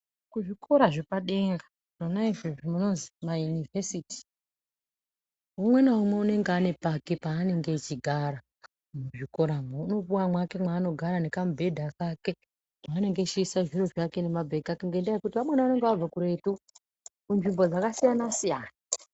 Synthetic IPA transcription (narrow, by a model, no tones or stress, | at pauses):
kuʐikʰo̞ɾaʐepaɗe̞ŋɡḁ | nonaiʐoʐimuno̞nzimajunivesiti̥ | ɦumwe̞naɦumwe̞une̞ŋɡeane̞pakipaːne̞ŋɡe̞t͡ʃiɡʱaɾa | muʐiko̞ɾamouno̞ɓuwamwake̞mwaːno̞ɡʱaɾane̞kambʱe̞dʱakake̞ | maːne̞ŋɡet͡ʃiisaʐiro̞ʐake̞ne̞mabʱe̞ɡakuŋɡendaekutiʋamwenaʋane̞ŋɡeʋab͡vakuɾe̞tu | kunʐimbo̞d͡zakasijanasijaːna